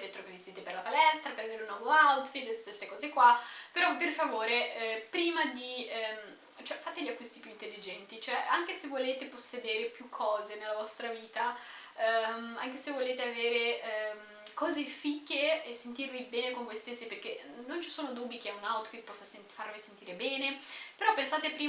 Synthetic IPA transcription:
ɛt̪ɾokevːest̪iːt̪eperlapalɛst̪ɾapeɾaveːɾeunɔvoawt̪fit̪st̪esekɔːzekwapeɾɔperfavoːɾeʔɛpɾiːmad̪im | t͡ʃoɛfat̪eʎiakːwist̪ipjuint̪elːid͡ʒɛnt̪it͡ʃoɛa̰ŋk̟esevːoleːt̪eposːed̪eːɾepjukʰːɔːzenelːavɔst̪ɾaviːt̪a | aŋk̟esevːoleːt̪eaveːɾeɛm | kɔːzefikːeːsːent̪irvibɛːnekonvojst̪esːiperk̟enːont͡ʃi̥soːnod̪uːbik̟eɛunawt̪fit̪̚pːɔsːas | farvisent̪iːɾebɛːnepeɾɔpːensaːt̪epɾiː

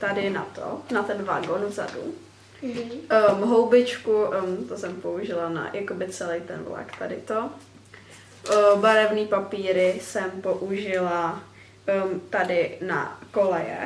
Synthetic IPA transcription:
t̪adɪna̰t̪o̰nat̪ɛnvaɡonuza̰dṵ | mɦowbɪt͡ʃkut̪osɛmpouʒɪlana̰jakobɪt͡sɛlejt̪ɛnvla̰kt̪adɪ̰t̪o | baɾɛvniːpapiːɾɪsɛmpo̞ʔuʒɪla | t̪adɪna̰kolɛjɛ̰

